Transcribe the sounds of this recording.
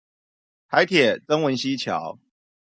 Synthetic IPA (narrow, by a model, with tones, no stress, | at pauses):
t̪ʰa˨˦ɪt̪ʰjɛ˨˩t͡sə˥ŋwə˨˧˦nɕi˦t͡ɕʰjɑ̰˨˦ʊ